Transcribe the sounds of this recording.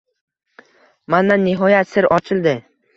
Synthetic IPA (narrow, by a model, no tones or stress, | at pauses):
mand̪anːɪɦɒjat̪sɪɾɒt͡ʃʰɪlˠd̪ɪ